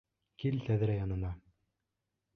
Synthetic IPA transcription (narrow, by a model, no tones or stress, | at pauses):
kilt̪æðɘ̆ɾæjɑnɤ̆nɑ